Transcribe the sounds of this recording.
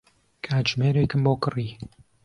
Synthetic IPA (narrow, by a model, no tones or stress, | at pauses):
kʰaːʒmeːɾekɨmboːkɨriː